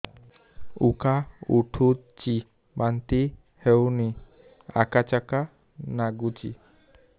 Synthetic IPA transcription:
ṵkauʈʰut͡ʃi | bant̪i | hewni | a̰kat͡ʃaka | naɡut͡ʃḭ

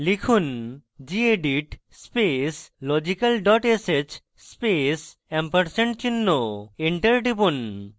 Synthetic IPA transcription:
likʰund͡ʑieɖiʈ | speslɔd͡ʑikalɖɔʈeset͡ɕ | spes | ɛmpɐɾseɳʈt͡ɕinːoeɳʈeɾɖibun

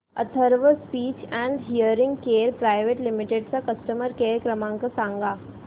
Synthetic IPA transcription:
ɐt̪ʰəɾʋəspiːt͡ɕɛ̃ːɳɖɦijəɾɪ̃ŋɡkeːɾpɾaːɪʋeːʈlɪmɪʈeɖsãkɐsʈəməɾkeːɾkɾəmãŋkəsãːŋɡaː

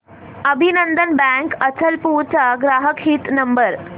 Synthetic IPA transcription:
əbʱinənd̪ənbæ̃ŋkət͡ɕəlpuːɾt͡saɡɾaɦəkɦiːt̪nəmbəɾ

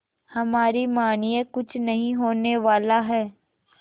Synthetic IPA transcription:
hɐmaːɾimaːnijekʊt͡ʃʰnɐɦĩɦoːneʋaːlaɦɛː

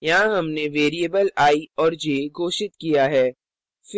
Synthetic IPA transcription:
jɐɦãɦɐmneʋeːɾiəbəlaːiɔːɾd͡ʒeːɡʱoːʃɪt̪̚kijaɦɛː | f

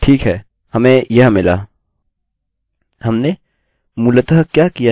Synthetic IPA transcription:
ʈʰiːkɦɛː | hɐmẽjɐɦmɪla̰ | hɐmne | mʊlət̪əɦkjaːkija

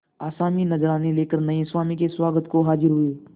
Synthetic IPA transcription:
aːsaːminəzɾaːneleːkəɾnɐẽswaːmikeswaːɡət̪koɦaːd͡ʒɪɾɦʊeː

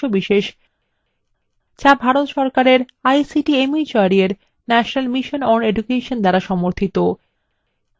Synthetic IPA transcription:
obiʃeʃ | t͡ɕabʱaɾot̪ʃɔɾkaɾeɾ | ajsiʈiemit͡ɕoaɾieɾ | nɛʃonalmiʃonɔɾned͡ʑukeʃond̪ɛɾaʃɔmoɾt̪ʰit̪o

